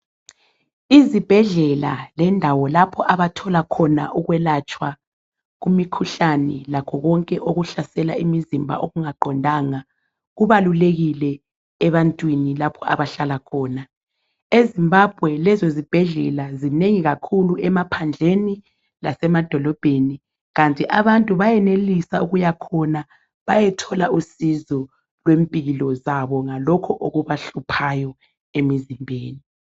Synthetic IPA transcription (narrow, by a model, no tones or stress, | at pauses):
izib̥ʱɛɮɛlalɛndʱawɔlapʰɔʔaβatʰɔlakʰɔna̰ʔuɣwɛlat͡ʃʼwa | ɣumikʰuɬanɛlakʰɔɣɔŋkʼɛʔoɣuɬasɛla̰imizimbʱa̰ʔoɣuŋaɡ͡ǃʱɔndʱaŋa | ɣuβaluleɣilɛː | βantʼwinilapʰɔa̰βaɬalakʰɔːna | ezimbʱab̥ʱwɛlɛzozib̥ʱɛɮɛlazineŋiɣakʰuluɛmapʰand͡ɮʱeni | lasɛmad̥ʱɔlɔb̥ʱeni | ɣantʼiʔaβantʼuβajɛnelisauɣujakʰɔna | βajɛtʰɔlausizɔ | lwempʼiɣilɔzaβɔŋalɔkʰɔʔoɣuβaɬupʰajɔ | emizimbʱeːni